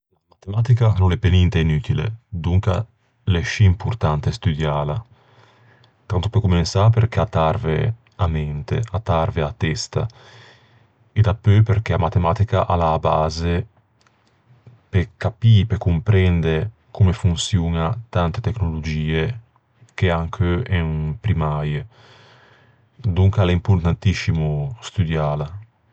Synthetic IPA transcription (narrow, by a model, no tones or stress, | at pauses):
lamat̪emaːt̪ikanonɛpːenint̪ɛinyt̪ilḛd̪uŋka | lɛʃiːmpurt̪ant̪est̪yd̪jaːla | t̪ant̪opekːumensapeɾk̟eat̪arvḛ | amɛnt̪ḛat̪arveat̪ːɛst̪a | ed̪apːøpeɾk̟eamat̪emaːt̪ikaʔalaːbaːze | pekapipekːumpɾɛnd̪e | kumefunsjuːnat̪ant̪et̪ɛknolod͡ʒiːe | k̟eaŋkʰøɛŋpɾimaːje | d̪uŋkaleimpuɾt̪ant̪isimust̪ud̪jaːla